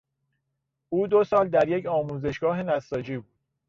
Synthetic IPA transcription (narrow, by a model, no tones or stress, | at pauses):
ʔuːd̪osɒːld̪æɾje̞cʰɒːmuːze̞ʃɡ̥ɒːɦe̞næsːɒːd͡ʒiːbuːd̪̥